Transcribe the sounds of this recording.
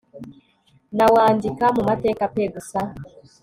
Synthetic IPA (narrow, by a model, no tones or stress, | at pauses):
nawaːndikamumate̞ːkapeɡusa